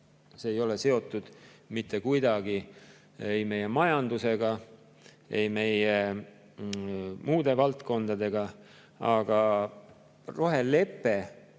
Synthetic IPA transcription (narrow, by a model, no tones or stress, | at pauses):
seːjo̞le̞se̞o̞t̪ːˑud̪̥mit̪ˑːe̞kujd̪̥ɑɡ̥i | ejme̞je̞mɑjɑnd̪use̞ɡ̥ɑ | ejme̞je | muːd̪e̞vɑlt̪ko̞nd̪̥ɑd̪e̞ɡɑ | ɑɡ̥ɑ | ro̞ɦe̞lːe̞pːˑe